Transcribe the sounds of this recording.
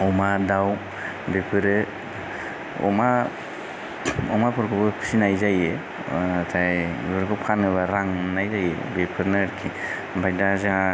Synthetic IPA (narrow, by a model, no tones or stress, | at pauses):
ɔmadaw | bepʰɯɾɯ | ɔ̰ma | ɔmapʰɯɾkʰɯbɯpʰi̥sinajzaje | tʰajbɯɾkʰɯwpʰanɯβaɾaŋnajzajḛbepʰɯɾnɯːɾkʰi | bʱajdazaa